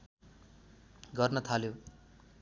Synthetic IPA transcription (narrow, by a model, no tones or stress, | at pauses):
ɡʌrnʌt̪ʰaljo